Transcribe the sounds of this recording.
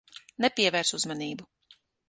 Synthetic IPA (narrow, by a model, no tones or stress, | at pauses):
nɛpiɛvɛɾsuzmaniːbu